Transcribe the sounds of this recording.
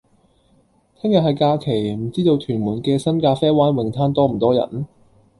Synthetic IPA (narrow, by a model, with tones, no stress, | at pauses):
t̪ʰɪ˥ŋjɐ˨t̚hɐ˨˩jkaː˧kʰe˨˩jm̩˨˩t͡siː˥t̪o˧wt̪ʰyː˨˩nmuː˨˩nkɛː˧sɐ˥nkaː˧fɛː˥waː˨˥nwɪ˨˩ŋt̪ʰaː˥nt̪ɔː˥m̩˨˩t̪ɔː˥jɐ̰˨˩n